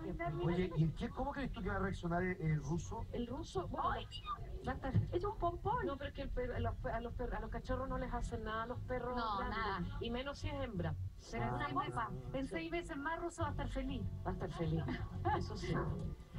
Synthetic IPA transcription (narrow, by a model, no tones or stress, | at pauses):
eamojeʔiekekomokɾeeht̪uk̬eβareaksjonaɾeʔelrusoelrusobe | bat̪aɾesumpomponnopeɾoekelpeɾlohpealohperalohkat͡ʃoroɦnolesasenːaðalo̞hperoanime̞nosieɦembɾa | seɾaunaoaensejβesezmarusoβaht̪aɾfelibaeht̪aɾfeliesosi